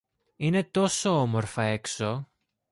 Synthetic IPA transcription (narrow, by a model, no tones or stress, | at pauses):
ine̞t̪o̞so̞omo̞ɾfɐe̞kso̞